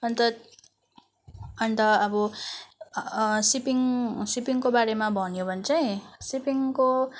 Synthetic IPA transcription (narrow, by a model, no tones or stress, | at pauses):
ʌnt̪ʌ | ʌnt̪ʌʌbʌ | sipiŋsipiŋkobaɾemabʱʌnjobʱʌnt͡sʌĩsipiŋko